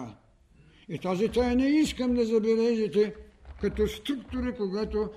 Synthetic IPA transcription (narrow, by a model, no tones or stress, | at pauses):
it̪azit̪ajnɛiskɐmd̪ɐzɐbɛlɛʒit̪ɛkat̪ost̪ɾukt̪oɾikoɡat̪o